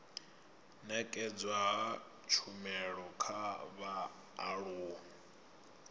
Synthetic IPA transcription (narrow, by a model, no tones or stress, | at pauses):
nɛkʼɛd͡zwaɦa | t͡ʃʰumɛɺɔkʰaβaː | ɺuː